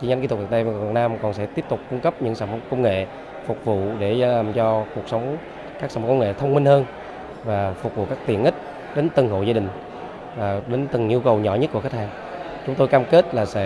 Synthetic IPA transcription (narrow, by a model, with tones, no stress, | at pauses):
t͡ɕi˧ɲa˧˦ŋi˧t̪ʊ˨˩vna˧vv̰n̚naː˧mkɔ˨˩nsɛ̰˧˥t̪i˦˥əp̚t̪ʊ˨˩k͡p̚kʊ˧ŋ͡mkə˦˥p̚ɲɨ̰˧˥ŋsaː˧˩mo˧˦kə˧wŋ͡mŋḛ˧˨ | fʊ˨˩k͡p̚vṵ˧˨ɗe˧˩˧mt͡ɕɔ˧ku˨˩ək̚sə˨˦wŋ͡m | ka˦˥ksaː˧˩m˨˧kə˧wŋḛ˧˨t̪ʰə˧wŋ͡mmi˧n̟həː˧n | vaː˨˩fʊ˨˩k͡p̚vṵ˧˨kaː˦˥k̚t̪i˨˩ənʔï˦˥k̟̚ | ɗe˨˦nt̪ə˨˩ŋho̰˧˨zaː˧ɗï˨˩ŋ̟ | vaː˨˩ɗe˨˦nt̪ɨ˨˩ŋʔi˧əwkə˨˩wɲɔ̰˧˩˦ɲə˦˥t̚ku˧˩əke˦˥t̚haː˧ŋ | t͡ɕʊ˨˦ŋ͡mt̪o˧jkaː˧mke˦˥t̚laː˨˩sɛ̰˧˥